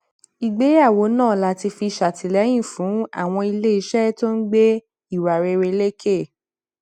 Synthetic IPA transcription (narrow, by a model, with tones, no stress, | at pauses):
i˨ɡ͡be˨˦ja˦˨wo˨˦nãː˦˨la˨˦ti˧fi˧ʃa˨tʰi˨lɛ˨˦j̃ĩ˦˨fũ˨˦a̰˦˨w̃ɔ̃˧i˧le˦i˨˦ʃɛ˦to˦n̩˦ɡ͡be˦ | i˦˨wa˨ɾe˧ɾe˧le˦ke˦˨